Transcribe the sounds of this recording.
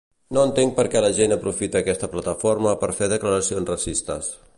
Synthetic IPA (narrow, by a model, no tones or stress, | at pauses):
noənt̪eŋ̚pəɾkɛləʒenəpɾufit̪əːkɛst̪əplət̪əfoɾməpəɾfeðəkləɾəsionsrəsist̪ə̰s